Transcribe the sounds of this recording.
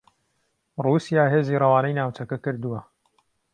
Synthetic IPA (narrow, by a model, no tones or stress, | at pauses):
ruːsijaːɦeːziːrˤɐwaːnɐjnaːwt͡ʃɐkɐkɨɾd̪uwɐ